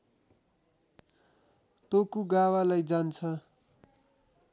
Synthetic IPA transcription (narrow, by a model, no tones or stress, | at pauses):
t̪okuɡawalajd͡zant͡sʰʌ